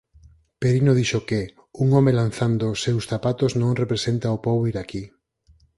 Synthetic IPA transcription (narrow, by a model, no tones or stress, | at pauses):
peɾinoðiʃoke | uŋɔmelan̟θand̪osːewsθapat̪oznõŋrepɾesent̪aopoβ̞oiɾaki